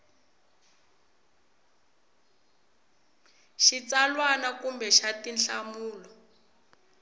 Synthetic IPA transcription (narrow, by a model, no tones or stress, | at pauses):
ʃit͡salwanakumbɛʃatinɬamuːlɔ